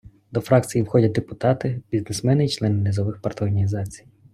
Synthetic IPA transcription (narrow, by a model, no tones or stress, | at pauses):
d̪ɔfɾɑkt͡sʲijiwxɔdʲɐd̪epʊt̪ɑt̪ɪbʲiznesmɛnɪjit͡ʃlˠɛnɪnezɔʋɪxpɐrt̪ɔɦɐnʲizɑt͡sʲi̥j